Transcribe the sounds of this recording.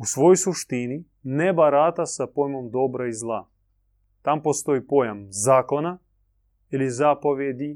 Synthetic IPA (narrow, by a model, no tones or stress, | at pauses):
usʋo̞jojsuʃt̪ini | nebaɾat̪asapojmomd̪o̞bɾaizlˠa | t̪ampost̪o̞ipo̞jamzaːko̞na | ilizapo̞ʋjed̪i